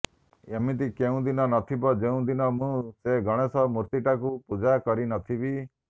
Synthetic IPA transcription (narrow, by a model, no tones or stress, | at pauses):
emit̪̬ikeũd̪inɔnɔt̪ʰibɔd͡ʒeũd̪inɔmũseɡɔɽ̃esɔmuɾt̪iʈakupud͡ʒakɔɾinɔt̪ʰibi